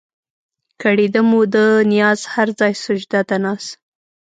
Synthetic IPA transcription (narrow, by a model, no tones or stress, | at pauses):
kaɽid̪əmud̪ənijɑzhaɾzɑjsʊd͡ʒd̪at̪anɑs